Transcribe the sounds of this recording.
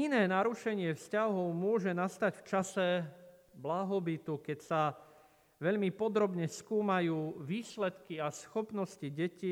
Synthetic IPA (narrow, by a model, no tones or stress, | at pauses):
inɛːnaɾuʃɛɲɪɛfscaɦɔʊmʊɔʒɛnast̪aɟft͡ʃasɛblaɦɔbit̪ukɛcsa | ʋɛʎmipɔd̪ɾɔbɲɛskuːmajuːʋiːslɛt̪kiasxɔpnɔsciɟɛci